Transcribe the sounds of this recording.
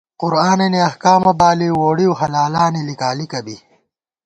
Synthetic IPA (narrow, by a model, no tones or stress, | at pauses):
qʊɾaːneniɐhkaːmɐbaːliwoːɽioɦɐlaːlaːnilikaːlikɐbi